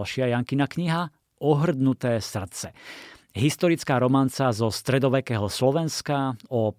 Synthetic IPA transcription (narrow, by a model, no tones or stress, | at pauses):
lʃɪajaŋkinakɲiɦa | ʔɔɦr̩d̪nut̪ɛːsr̩t͡sɛ | ɦist̪ɔɾit͡skaːɾɔmant͡sazɔst̪ɾɛd̪ɔʋɛkɛːɦɔslɔʋɛnskaɔ